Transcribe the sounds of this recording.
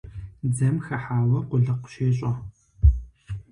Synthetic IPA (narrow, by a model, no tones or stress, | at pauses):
d͡zɐmxɐħaːwɐqʷʊɮɐqʷʊ̥ʃeːɕʼɐ